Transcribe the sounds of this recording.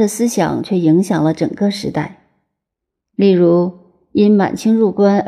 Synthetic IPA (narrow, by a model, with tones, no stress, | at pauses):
d̪ə˨sɹ̩˥ɕjɑ̰˨˩ŋt͡ɕʰɥɛ˥˩i˧˥ŋɕjɑ˨˩ŋlə˦ʈ͡ʂɤ̰˨˩ŋkɤ˥˧ʂɻ̩˧˥t̪a˥˩ɪ | li˥˩ɻu˧˥ | i˥nma̰˨˩nt͡ɕʰi˥ŋɻu˥˩kwa˥n